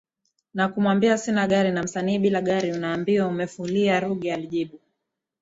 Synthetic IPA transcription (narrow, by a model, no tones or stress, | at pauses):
nakumwambiasinaɠaɾinam̩saniːɓilaɠaɾiunaːmbiwaumɛfuliaɾuɠialiʄiɓu